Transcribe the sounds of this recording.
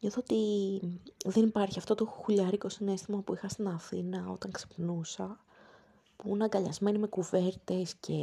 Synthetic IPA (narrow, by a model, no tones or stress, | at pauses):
ɲoθoot̪i | ðenipɐɾçiɐft̪o̞t̪oxuʎɐɾicosine̞st̪imɐpuixɐst̪inɐθinɐo̞̰t̪ɐŋkse̥pnusɐ | punɐŋɡɐʎɐzme̞nime̞kuve̞ɾt̪e̞sce̞